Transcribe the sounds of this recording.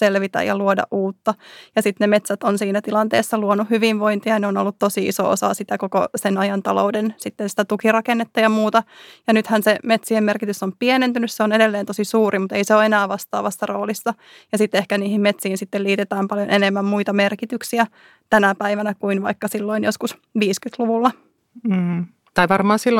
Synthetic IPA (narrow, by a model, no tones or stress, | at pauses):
selʋit̪æ̰jɑ̰luodɑ̰ʔʔuːt̪ːɑjɑsit̪nemet̪sæt̪onsiːnæt̪ilɑnt̪ḛːsːɑluonuhyʋinʋoint̪iɑɑneono̰lːut̪t̪osiḭso̰o̰sɑ̰sit̪ækokosenɑjɑnt̪ɑlo̰udensit̪ːensi̥t̪æt̪ukirɑkenːet̪ːɑjɑmuːt̪ɑjɑnyt̪hænsemet̪sihemmerkit̪ysːompienent̪ynysseonedelːeːnt̪osisuːrʔimut̪eiseoːenæːʋɑst̪ɑ̰ːʋɑsːɑroːlisːɑ | jɑsit̪ːehkæniːhimmet̪siːnsit̪ːeliːt̪et̪æːmpɑljonʔenemːæmmuit̪ɑmerkit̪yksiæ | t̪ænæpæiʋænækuinʋɑ̰ikːɑsilːoinjoskus | ʋiːskyt̪luʋulːɑ | t̪ɑiʋɑrmɑːsilː